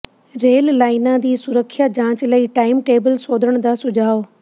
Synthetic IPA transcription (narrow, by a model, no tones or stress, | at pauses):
ɾeːllaːinãːd̪iːsʊɾəkʰːjaːd͡ʒãːt͡ʃləiːʈaːɪmʈeːbəlsoːd̪əɳ̃d̪aːsʊd͡ʒaːo